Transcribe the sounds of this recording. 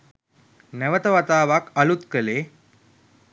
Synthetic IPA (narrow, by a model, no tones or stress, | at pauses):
nɛʋət̪əʋat̪aːʋakɐlut̪kəleː